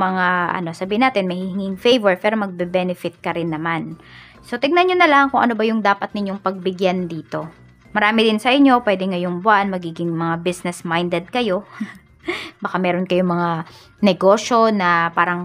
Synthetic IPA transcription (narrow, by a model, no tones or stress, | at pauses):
mɐŋaʔɐ̰no̞sɐbiːhɪnaːt̪ɪnmɐjhɪhɪŋɪŋfejvɛɹpɛːɾo̞mɐɡ̚bɛbɛnɪfɪt̪̚kɐɾɪnːɐman | so̞t̪ɪɡ̚nɐnɲonɐlaːmɐŋkʊŋʔɐ̰no̞bɐjʊŋd̪aːpɐt̪nɪɲːoŋpɐɡ̚bɪɡjand̪iːt̪o̞ | mɐɾaːmɪd̪ɪnsɐʔɪɲːo̞pwɛːd̪ɛŋɐjoŋbʊʔanmɐɡiːɡɪŋmɐŋabisnɛsmajnd̪ɛd̪̚kɐjo̞ | bɐkamɛːɾo̞nkɐjoŋmɐŋa | nɛɡo̞ːʃo̞nɐpaːɾɐŋ